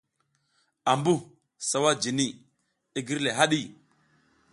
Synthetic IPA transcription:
a˨mbu˦˨ | sa˨wa˦d͡ʒi˨ni˦ | i˦ɡi˦ɾle˨ɦa˦ɗi˦

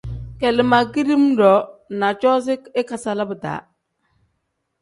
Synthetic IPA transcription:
kɛ˨lɪ˨ma˨ki˦di˦m˦dɔ˨˦na˨t͡ʃɔ˦s̬ɪ˦kɪ˦ka˨sa˨la˦bə˨ta̰˨˦

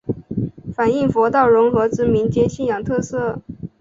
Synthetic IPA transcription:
fa˨˩ni˥˩ŋfwɔ˧˥t̪ɑ˥˩ʊɻʊ˧˥ŋxɤ˧˥ʈ͡ʂɻ̩˧˥mi˧˥nt͡ɕjɛ˧˥ɕi˥˩njɑ˨˩ŋt̪ʰɤ˥˧sɤ˥˩

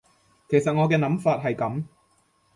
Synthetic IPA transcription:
kʰe˨˩jsɐ˨t̚ŋɔː˨˧kɛː˧nɐ˨˥mfaː˧t̚ɦɐ˨jkɐ˨˥m

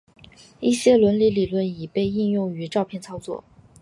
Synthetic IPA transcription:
i˥˩ɕjɛ˥lwə˧˥nli˧˥li˨˩lwə˥˩ni˨˩pe˥˧ɪi˥˧njʊ˥˩ŋy˧˥ʈ͡ʂɑ˥˧ʊpʰjɛ˥˩nt͡sʰɑ˥ʊt͡swɔ̰˥˩

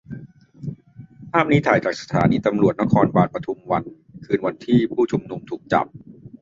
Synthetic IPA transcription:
pʰaː˥˩mni˦˥t̪ʰaː˨˩˦jt͡ɕaː˨˩k̚sḁ˧t̪ʰa̰ː˩˦niː˧t̪a˧mɾu˨˩ət̪̚na˦˥kʰɔː˧nbaː˨˩t̪̚pɾa˧t̪ʰu˧mwa˧n | kʰɯː˧nwa˧nt̪ʰiː˥˩pʰuː˥˩t͡ɕʰu˧mnu˧mt̪ʰuː˨˩k̚t͡ɕa̰˨˩p̚

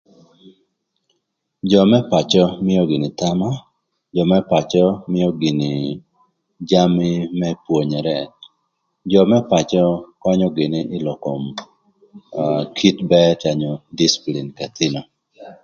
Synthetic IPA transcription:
d͡ʒɔ˨mɛ˦pa˨t͡ʃɔ˦mɪ˦jɔ˦ɡɪ˨nɪ˨ta˦ma˦ | d͡ʒɔ˨mɛ˦pa˨t͡ʃɔ˦mɪ˦jɔ˦ɡɪ˨nɪ˨ | d͡ʒa˦mɪ˦mɛ˦pwo˨ɲɛ˨ɾɛ˦ | d͡ʒɔ˨mɛ˦pa˨t͡ʃɔ˦kɔ˦ɲɔ˦ɡɪ˨nɪ˦ɪ˦lɔ˨ko˨m | kʰi˦tbɛ˦t͡ʃa˨ɲɔ˨di˦si̥˨pli˨nka˨t̪ɪ˦nɔ˨

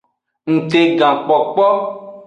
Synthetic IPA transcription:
ŋ̩̃˨t̪e˨ɡã˨k͡pɔ˨k͡pɔ˦

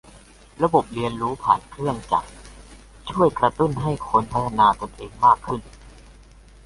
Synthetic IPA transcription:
ɾa˧bo˨˩p̚li˧ənɾuː˦˥pʰa̰ː˨˩nkʰɾɯ˥˩ənt͡ɕa̰˨˩k̚ | t͡ɕʰu˥˩əjkɾa˧t̪u˥˩nɦa˥˩jkʰo˧npʰa˦˥t̪ʰa˧naː˧t̪o˧nʔeː˧ŋmaː˥˩kʰːɯ˥˩n

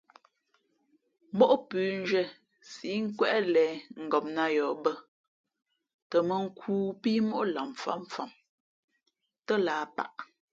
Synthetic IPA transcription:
m˦bo˦ʔpʉː˨n̩˦d͡ʒɥɛ˦ | si˨˦ŋ̩˦kwɛ˦ʔlɛː˨˦ŋ̩˨ɡɔ˨m̚na˦jɔː˨bə˦ | tə˨mə˨ŋ̩˦kʰuː˦pi˦mo˦ʔla˨mfa̰˦ɱ˨fa˨m | tə˦laː˨˦pa̰˨ʔ

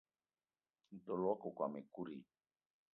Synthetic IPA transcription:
n̩˨to˨lwɔ˦ko˨kwa˨me˨ku˦ɾi˨

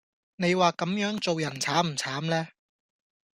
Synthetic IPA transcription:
ne˨˧jwaː˨kɐ˨˥mjœː˨˥ŋt͡so˨wjɐ˨˩nt͡sʰaː˨˥m̩˨˩t͡sʰaː˨˥mlɛː˥

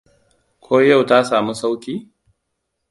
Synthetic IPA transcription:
kʷʰoː˦ja˦˨wta˦saː˨mu˦sa˦wkʲiː˦

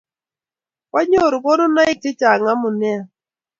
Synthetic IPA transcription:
ka˦ɲo˦˨ɾʊ˨kɔ˦nʊ˦na˦ɪ˦k̚tɪ˦t͡ʃa˨ŋa˦mʊ˨nɛ˦a˨

